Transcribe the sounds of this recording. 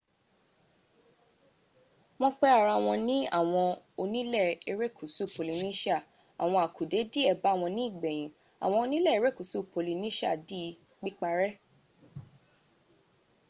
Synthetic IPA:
mɔ̃˧k͡pɛ˦a˦˨ɾa˧˨w̃ɔ̃˧nĩ˦a̰˦˨w̃ɔ̃˧ | o˧nĩ˦lɛ˦˨e˧ɾe˦kʰu˨su˦˨po˨li˨nĩ˦ʃa˦˨ | a̰˨w̃ɔ̃˧a˨kʰu˨de˨˦di˦ɛ˦˨ba˨˦˨w̃ɔ̃˧nĩ˦i˦˨ɡ͡bɛ˨j̃ĩ˨ | a̰˨w̃ɔ̃˧o˧nĩ˦lɛ˦˨e˧ɾe˦˨ku˨su˦˨po˨li˨nĩ˦ʃa̰˦˨di˦˧ | k͡pi˦k͡pa˧ɾɛ˦

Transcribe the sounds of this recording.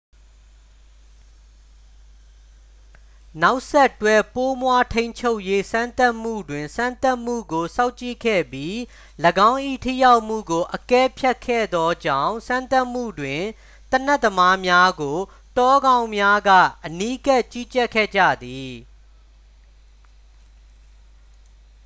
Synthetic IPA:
na˦ʊʔsɛ˦ʔtwɛ˦˨po˦mwa˦tʰẽ˦ɪ̃ɲt͡ɕʰo˦ʊʔje˦sã˦nt̪a˦ʔm̥ṵ˦˨dwɪ̃˨nsã˦nt̪a˦ʔm̥ṵ˦˨ɡo˨sã˦ʊ̃t͡ɕḭ˦˨kʰɛ̰˦˨bji˦ | ləɡã˦ʊ̃ʔḭ˦˨tʰḭ˦˨ja˦ʊʔm̥ṵ˦˨ɡo˨ʔəkɛ˦pʰja˦kʰːɛ̰˦˨d̪ɔ˦d͡ʑã˦˨ʊ̃sã˦nt̪a˦ʔm̥ṵ˦˨dwɪ̃˨ | t̪ən̥ɛ˦ʔt̪ːəma˦mja˦ɡo˨ | tɔ˦ɡã˦ʊ̃mja˦ɡä̰˦˨ʔəni˦ka˦ʔt͡ɕi˦t͡ɕɛ˦kʰːɛ̰˦˨d͡ʑa̰˦˨d̪i˨

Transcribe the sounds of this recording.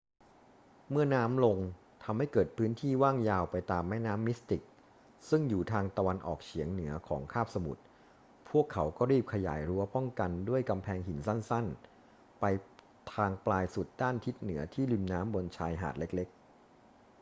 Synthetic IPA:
mɯ˥˩ɐnaː˦˥mlo˧ŋ | t̪ʰa˧mha˥˩jkɤː˨˩t̪̚pʰɯː˦˥nt̪ʰiː˥˩waː˥˩ŋjaː˧wpa˧jt̪aː˧mːɛː˥˩naː˦˥mːi˦˥st̪i˨˩k̚ | sɯ˥˩ŋjuː˨˩t̪ʰaː˧ŋt̪a˧wa˧nʔɔ̰ː˨˩k̚t͡ɕʰi˩˦əŋnɯ˩˦ɐkʰɔ̰ː˩˦ŋkʰaː˥˩p̚sa˧mṵ˨˩t̪̚ | pʰu˥˩əkʰːa˩˦wkɔː˥˩ɾiː˥˩p̚kʰa˧ja̰ː˩˦jɾu˦˥ɐpɔ˥˩ŋka˧ndu˥˩əjka˧mpʰɛː˧ŋhi˨˩˦nsa˥˩nsa˥˩n | pa˧j | t̪ʰaː˧ŋplaː˧jsu˨˩t̪̚daː˥˩nt̪ʰi˦˥t̪̚nɯ˩˦ɐt̪ʰiː˥˩li˧mnaː˦˥mbo˧nt͡ɕʰaː˧jɦa̰ː˨˩t̪̚le˦˥k̚le˦˥k̚

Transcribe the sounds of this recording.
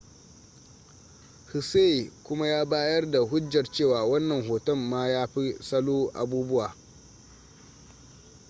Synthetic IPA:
hi˨seː˦˨kʷʊ˦ma˦jaː˦baː˦jɐ˦rda˨ɦʊ˦d͡ʒːɐ˨rt͡ʃeː˦˨waː˨wɐ˦nːɐ˨ŋɦoː˨tɐ˦˨mːaː˦jaː˦ɸi˦sɐ˦loː˦ʔa̰˨buː˦bʊ˦waː˨

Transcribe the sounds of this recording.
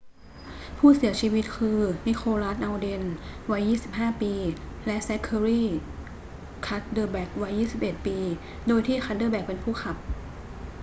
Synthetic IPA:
pʰuː˥˩si˨˩˦ɐt͡ɕʰiː˧wi˦˥t̪̚kʰɯː˧ni˦˥kʰoː˧ɾa˦˥t̪̚ʔa˧wde˧nwa˦˥jːiː˥˩si˨˩p̚ɦaː˥˩piː˧lɛ˦˥ʔsɛ˦˥kʰə˧ɾiː˥˩ | kʰa˦˥t̪̚dɤː˧˩bɛ˨˩k̚wa˦˥jːiː˥˩si˨˩p̚ʔe˨˩t̪̚piː˧ | doː˧jt̪ʰiː˥˩xʰa˦˥dɤː˧˩bɛː˨˩k̚pe˧npʰuː˥˩xʰa˨˩p̚

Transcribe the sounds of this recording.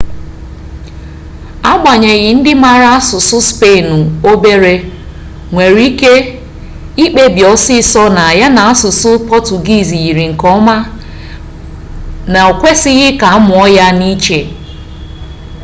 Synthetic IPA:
a˦ɡ͡ba˨ɲe˨ɣɪ˨n̩˦dɪ˦ma˨ɾa˦a˦sʊ˨sʊ˦spe˦˨nʊ˨o˦be˦ɾe˦ | ŋʷe˨ɾi˦ke˦ | i˦k͡pe˦bjɔ˦sɪ˦sɔ˦na˨a˨ja˦na˨a˦sʊ˨sʊ˦pɔ˦tu˨ɡi˦˨zi˨ɣi˨ɾi˨ŋ̩˨kɔ˦ma˦ | na˨o˨kʷe˦sɪ˦ɣɪ˦ka˨a˦mʊ˨ɔ˦ja˦ni˦t͡ʃe˨

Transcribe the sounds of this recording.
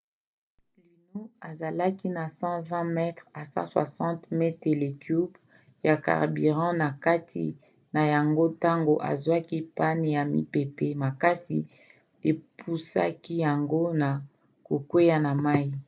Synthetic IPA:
pli˨no˦a˨za˨la˦ki˦na˨sɑ̃˦vɛ̃˦mɛ˦tχa˨sɑ̰̃˦swa̰˨sɑ̃˦tmɛ˦te˨le˨kju˦b | ja˨ka̰˨ʁbi˨ʁɑ̃˦na˨ka˦tʰḭ˨ | na˨ja˨ŋɡo˦ta˦ŋɡo˨ʔa̰˨zwa˦ki˦pa˦ne˨ja˨mḭ˨pe˨pe˦ma˨ka˦sḭ˨ | e˨pʰu˦sa̰˦ki˦ja˨ŋɡo˦na˨ | ko˨kwe˦ja˦na˨ma˦i˦

